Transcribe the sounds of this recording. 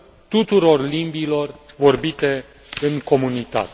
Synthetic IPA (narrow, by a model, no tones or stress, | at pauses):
t̪ut̪uɾo̞rlimbilo̞rvo̞rbit̪e̞ | ɨŋko̞munit̪a̰t̪